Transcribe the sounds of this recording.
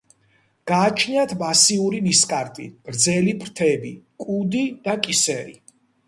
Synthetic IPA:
ɡ̥aːt͡ʃʰniat̪ʰmasiuɾimiskʼaɾt̪ʼḭɾd̪zɛlipʰɾt̪ʰɛbikʼud̪id̪̥akʼisɛɾḭ

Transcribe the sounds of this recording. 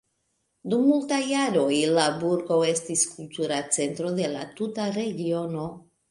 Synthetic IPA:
dumːultajaɾo̞jlabuɾɡo̞e̞stiskultuɾat͡se̞ntɾo̞de̞la̰tutaɾe̞ɡio̞no̞

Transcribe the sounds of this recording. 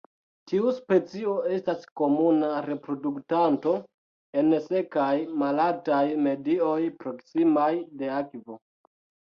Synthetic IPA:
tʰiuspe̞t͡sio̞e̞stasko̞munaɾe̞pɾo̞duktanto̞ | e̞nse̞kajmalaltajme̞dio̞jpɾo̞ksimajde̞akvo

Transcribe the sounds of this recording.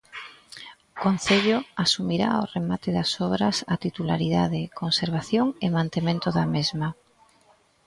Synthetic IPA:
ʊkon̟θeʎoasumiɾa̰oremat̪ɪðasɔβ̞ɾɐsat̪it̪ula̰ɾiðaðɪkonseɾβ̞aθjoŋɪmãnt̪emẽnt̪ʊðamezma

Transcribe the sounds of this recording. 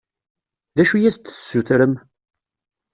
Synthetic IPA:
ðæʃujæst̪θsuθɾəm

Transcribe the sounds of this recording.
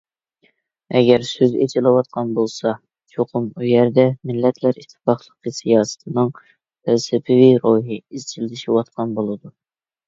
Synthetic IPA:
ɛɡʲɛɾsøzḛt͡ʃʰilˠɨwɑt̪̚qʰɑnbolˠsɑ | t͡ʃʰoqʰʊmujɛɾd̪ɛmɪlːɛt̪ʰlæɾiʃt̪ʰːɨ̥pɑχlˠəqəsijɑːsɨ̥t̪ʰɨnɨŋ | t̪ʰælsɪpʰɪviɾoɦɨizt͡ʃʰild̪ɪʃiwɑt̪̚qʰɑnbolˠɨd̪u

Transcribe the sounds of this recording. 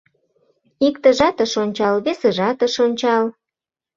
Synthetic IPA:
ikt̪əʒɑt̪ə̆ʃonʲt͡ɕɑlβeseʒɑt̪ə̆ʃonʲt͡ɕɑl

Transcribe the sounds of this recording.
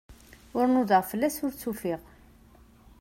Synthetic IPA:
ʊɾnuðəʁfəlːæsʊɾt͡sːufiʁ

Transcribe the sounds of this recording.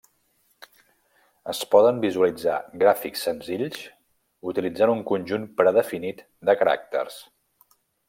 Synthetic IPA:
əspɔðəmbizuəlid͡za̰ɡɾafiksːənziʎs | ut̪ilid͡zanuŋkunʲʒunpɾəðəfinit̪ | d̪əkəɾa̰k̚t̪ə̰rs

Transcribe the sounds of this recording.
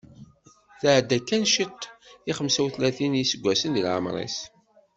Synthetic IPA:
θəʕd̪ːækːænʃit̪ˤːiχəmsæwθlæθinisəɡʷːæsənðilʕə̰mɾˤḭs

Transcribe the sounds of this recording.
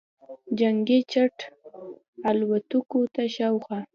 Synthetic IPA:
d͡ʒaŋɡet͡ʃaʈ | alwat̪ukot̪aʃawxa

